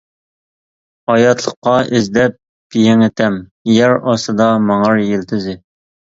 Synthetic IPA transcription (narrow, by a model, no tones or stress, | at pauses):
ɑjɑt̪ʰlˠəqːɑɪzd̪ɛp̚ | jeŋɪt̪ʰɛmjæɾɑsɨd̪ɑmɑŋɑɾjelt̪ʰɪzɪ